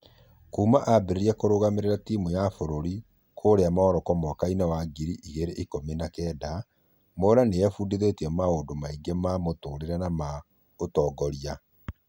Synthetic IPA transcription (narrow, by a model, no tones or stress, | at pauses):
kuːmaʔabeɾeɾiɛkoɾoɣameɾeɾatiːmujafoɾoɾi | kʰoːɾeamaɔɾɔkɔmwakainawaɡiɾiʔiɣeɾeʔikominakɛːda | moɾanejɛfuːdiðetiɛmaodomaiɡemamotoːɾeɾanama | otɔɡɔɾia